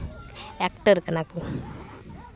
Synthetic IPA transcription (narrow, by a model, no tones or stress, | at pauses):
ɛkʈəɾkənaku